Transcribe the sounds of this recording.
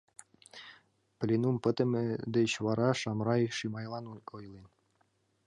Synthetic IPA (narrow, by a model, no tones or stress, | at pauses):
plʲinumpɤ̆t̪ɘ̆mɘd̪ɘɕvɑɾɑʃɑmɾɑjʃimɑjlˠɑnunŏjlˠin